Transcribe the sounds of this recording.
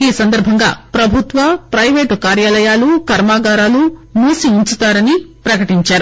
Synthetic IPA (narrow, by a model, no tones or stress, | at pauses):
iːsɐnd̪ɐɾbʱɐŋɡa̰ːpɾɐbʱut̪ʋɐpɾɐjʋe̞ːʈkaːɾjaːlɐjaːlukɐɾmaːɡaːɾaːlumuːsiːɲt͡ʃut̪aːɾɐnipɾɐkɐʈiɲt͡ʃaːɾu